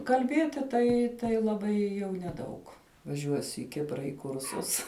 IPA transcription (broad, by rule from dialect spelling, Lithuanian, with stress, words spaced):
kɐlʲˈbʲiɛtʲɪ ˈtɐɪ tɐɪ lˠɐˈbɐɪ jɛʊ nʲɛˈdɐʊk ʋɐˈʒʲuɔsʲʊ ɪ ˈkʲɪprɐ ɪ ˈkʊrsʊs